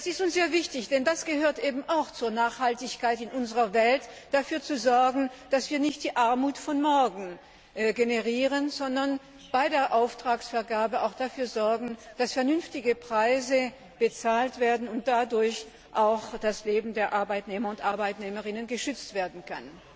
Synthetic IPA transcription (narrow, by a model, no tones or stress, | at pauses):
d̥asɪstʊnsz̥eːɐvɪçtɪçd̥ɛndasɡ̥əhøːɐtʔeːbm̩ʔaʊxt͡suːɐnaːχhaltɪçkaɪtɪnʔʊnzəʁɐvɛlt | d̥afyːɐt͡suzɔɐɡŋ̩d̥asv̥iːɐnɪçt̚d̥iːʔaɐmuːtfɔnmɔɐɡŋ̩ | ɡenəʁiːʁənzɔndɐn | b̥aɪdeːɐʔaʊftʁ̥aːksfɛɐɡaːbəaʊxd̥afyːɐzɔɐɡŋ̩d̥asfɛɐnʏnftɪɡəpʁ̥aɪzə | b̥ət͡saːltv̥eːɐdn̩ʊnt̚d̥adʊɐç | ʔaʊxd̥asleːbm̩deːɐʔaɐbaɪtneːmɐʊntʔaɐbaɪtnɛːməʁɪnənɡəʃʏt͡stv̥eːɐdn̩kʰa̰n